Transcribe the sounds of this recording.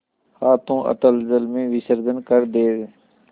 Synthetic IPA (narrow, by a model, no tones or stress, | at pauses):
haːt̪ʰõːʔə̰t̪əlzəlmẽːʋɪsəɾd̪ənkəɾd̪eːd